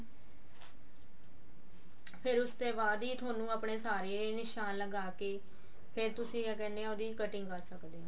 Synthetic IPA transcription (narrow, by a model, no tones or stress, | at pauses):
pʰɪɾʊst̪eːbaːd̪iːt̪ʰoːnũːapɳeːsaːɾeːnɪʃaːnləɡaːkeː | pʰɪɾt̪ʊsĩːkɛːneaːoːd̪iːkəʈɪŋɡkəɾsəkd̪eːãː